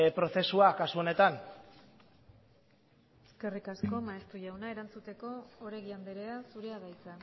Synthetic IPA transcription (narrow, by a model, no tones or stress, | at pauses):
pɾo̞θe̞suakasuo̞ne̞t̪an | e̞ske̞rikasko̞maest̪uʝawnae̞ɾant͡sut̪e̞ko̞oɾeɣiand̪eɾe̞asuɾe̞aɣajt͡sa